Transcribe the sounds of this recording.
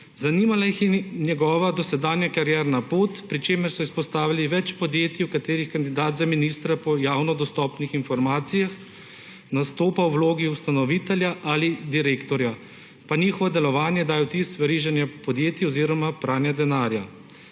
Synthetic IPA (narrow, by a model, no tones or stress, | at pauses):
zaniːmalajixɛnjɛɡɔːʋad̪ɔsɛd̪aːnjakaɾjɛɾnapoːt̪pɾit͡ʃeːmɛɾsɔispɔst̪aːʋiliʋɛt͡ʃpɔd̪jeːt̪iwkat̪eːɾixkand̪id̪aːt̪zaminist̪ɾapɔjaːwnɔd̪ɔst̪ɔpnixinfɔɾmaːt̪sijax | nast̪oːpawwloːɡiust̪anɔʋit̪ɛljaʔalid̪iɾeːkt̪ɔɾja | paniːxɔʋɔd̪ɛlɔʋaːnjɛd̪aːjɛwt̪isʋɛɾiʒanjapɔd̪jeːt̪iɔziːɾɔmapɾʔaːnjad̪ɛnaːɾja